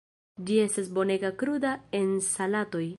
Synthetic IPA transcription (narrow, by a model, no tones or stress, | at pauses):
d͡ʒie̞stasbo̞ne̞ɡakɾudae̞nsalato̞j